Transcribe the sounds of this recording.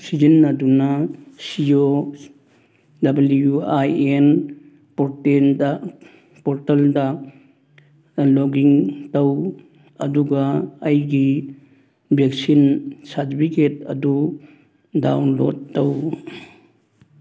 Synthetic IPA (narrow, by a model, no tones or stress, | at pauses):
sid͡ʒinːɐdunɐsio | dɐbɐlujuajen | poɾtendɐ | poɾtɐldɐ | loɡiŋtɐw | ɐ̰duɡaːjɡi | bʱek̚sinsaɾtipʰiketɐ̰du | dawnlod̚tːɐw